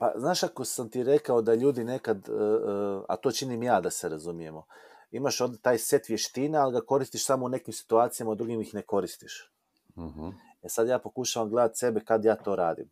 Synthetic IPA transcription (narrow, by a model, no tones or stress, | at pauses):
pa̰znaːʃako̞samt̪iɾe̞kao̞d̪aʎuːd̪ine̞kad̪ | a̰t̪o̞ːt͡ʃinimjaːd̪aseɾazumije̞mo̞ | imaʃo̞ːd̪e̞t̪aːjse̞t̪ʋje̞ʃt̪inealɡako̞ɾist̪iʃsamo̞une̞kimsi̥t̪uaːt̪sijamaud̪ɾuɡimixne̞ko̞ɾist̪iʃ | e̞sad̪jaːpo̞kuʃaʋamɡle̞d̪at̪se̞bekad̪jaːt̪o̞ːɾaːd̪ḭm